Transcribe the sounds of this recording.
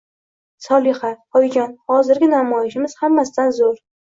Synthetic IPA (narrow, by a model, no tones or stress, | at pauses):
sɒlˠɪhat̪ɒjd͡ʒɒnhɒzɪɾɡʲɪnamɒjɪʃɪmɪz̥hamːasɪd̪anzoɾ